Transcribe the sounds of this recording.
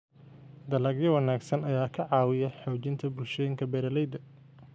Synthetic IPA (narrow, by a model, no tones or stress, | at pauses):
d̪ɐlɐɡjɐwɑnaːɡsɐnɐjaːkʰɐʕɑːwɪjɐħɔːt͡ʃɪnt̪ʰɐbʊlʃɛjɪŋkʰɐbɛːɾɐlɛjd̪ɐ